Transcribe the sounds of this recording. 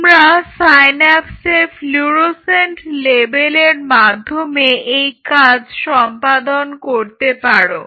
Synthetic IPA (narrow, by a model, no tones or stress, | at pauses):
mɾasajnɛpsefʰluɾosenʈlebeleɾmad̪ʱːomeejkad͡ʑʱʃɔmpad̪onkoɾt̪epaɾo